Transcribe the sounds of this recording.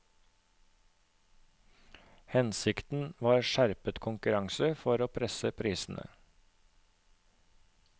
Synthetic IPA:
hɛnsɪkt̪n̩ʋɑːɾʃæɾpət̪kʰʊŋkʉɾɑŋsəfɔɾoːpʰɾɛsəpʰɾiːsn̩ʔə̰

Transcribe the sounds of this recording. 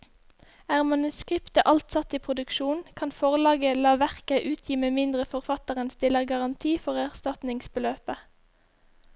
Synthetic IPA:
æːʁmɑnʉskʁɪpt̪əʔɑlt̪sɑt̪iːpʰʁʊd̪ʉkʃuːnkʰɑnfɔʁlɑːɡəlɑːʋæʁkəʔʉːt̪ʰjiːmeːmɪnd̪ʁəfɔʁfɑt̪əʁənst̪ɪləʁɡɑʁɑnt̪ʰiːfɔʁæʁst̪ɑt̪nɪŋsbəløːpə

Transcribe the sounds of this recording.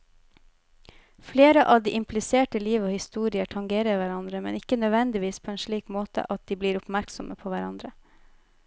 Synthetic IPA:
fleːɾəʔɑːʋd̪iːʔɪmpʰlɪseːʈəliːʋoːhɪst̪uːɾɪəʈʰɑŋɡeːɾəɾʋæɾɑnd̪ɾəmɛ̰nɪkənœd̪ʋɛnd̪ɪʋiːspʰoːeːnʃɭiːkmoːt̪ʰə̰ʔɑt̪̚d̪iːbliːɾʊpmæɾksɔmʔəpʰoːʋæɾɑ̰nd̪ɾə

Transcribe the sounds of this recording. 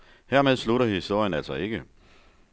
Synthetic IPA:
heɐ̰með̞ˠsluɾɐhiisd̥o̝ɐ̰jənæl̰sɒe̝ɡ̥ə

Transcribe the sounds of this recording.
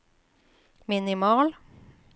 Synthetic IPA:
mɪnɪmɑːl

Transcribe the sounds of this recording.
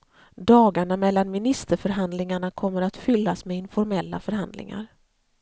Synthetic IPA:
d̪ɑːɡaɳamɛlːanmɪnɪst̪əɾfœɾɦand̪lɪŋaɳakʰɔmːəɾat̪fʏlːasmeɪnfɔɾmɛlːa̰fœɾɦand̪lɪ̰ŋa̰ɾ

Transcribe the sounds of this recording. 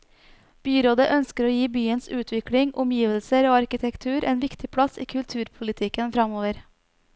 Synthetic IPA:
b̥yːɾoːd̪əʔœnskəɾoːjiːbyːənsʉːt̪ʰʋɪkɽɪŋʔʊmjiːʋəlsəɾoːɑɾkɪt̪ʰɛkt̪ʰʉːɾʔḛːnʋɪkt̪ʰɪpʰɽɑsḭːkʰʉlt̪ʰʉːɾpʰʊlɪt̪ʰɪkənfɾɑmoːʋəɾ

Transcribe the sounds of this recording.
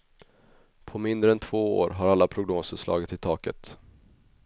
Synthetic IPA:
pʰɔmɪnd̪ɾəɛnt̪ʰv̥oːo̰ːɾɦaɾalːapʰɾʊɡnoːsəslɑ̰ːɡət̪ʰːɪlt̪ʰɑːkə̰t̪

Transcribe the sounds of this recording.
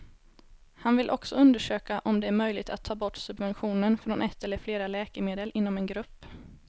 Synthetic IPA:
hanvɪlʔɔ̰ksɔɵnd̪əʂøːkaʔɔmd̪ɛæɾmœjlɪɡ̚t̪ʰat̪ʰːɑːbɔʈːsɵbvɛnɧuːnənfɾɔnʔɛt̪ːɛlːəɾfleːɾalɛːkəmeːd̪əlʔɪnːɔmɛnɡɾɵpː

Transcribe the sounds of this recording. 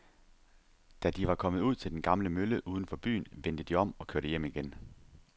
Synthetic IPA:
d̥æd̥iʋɑ̈kʰɒ̽mð̩ˠuð̞̰ˠt͡sʰe̝ld̥enɡ̥ɑ̈mləmøləʔuːð̞ˠən̩fɒ̽b̥y̰ːnʋen̰d̥əd̥iɒ̽m̰ɒ̽kʰøɐɾ̥əjem̰iɡ̥en

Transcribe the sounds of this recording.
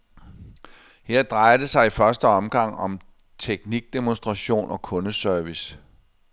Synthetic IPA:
heɐ̰d̥ʁɑ̈ɪɐd̥e̝sɑ̈ɪifɶɐsd̥əɒ̽mɡ̥ɑ̈ŋ̰ɒ̽m | t͡sʰeɡ̥niɡ̥̚d̥emo̝nsd̥ʁɑ̈ɕo̝̰ːnʔɒ̽kʰɔ̽nəsœɐʋis

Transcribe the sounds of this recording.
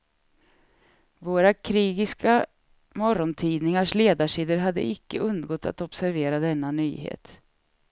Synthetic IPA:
voːɾakʰɾiːɡɪska | mɔɾɔnt̪ʰiːd̪nɪŋaʂleːd̪aʂiːd̪əɾɦad̪ːə̰ɪkːəɵnd̪ɡɔt̪ʰːa̰t̪ɔbsæɾveːɾad̪ɛnːany̰ːhḛːt̪

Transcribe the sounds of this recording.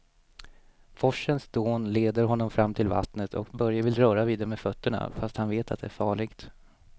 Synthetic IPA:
fɔʂːənsd̪oːnleːd̪əɾɦɔnːɔmfɾamːt̪ʰɪlva̰t̪nət̪ʰɔ̰kbœɾjavɪlɾœːɾaviːd̪ɛɾmɛfœt̪ːəɳa̰fast̪hanveːt̪ʰat̪d̪ɛæɾfɑːɭɪɡt̪

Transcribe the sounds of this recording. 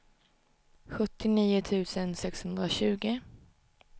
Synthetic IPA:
ɧɵt̪ːɪniːʊt̪ʰʉ̟ːsənsɛkshɵnd̪ɾaɕʉ̟ːɡɪ

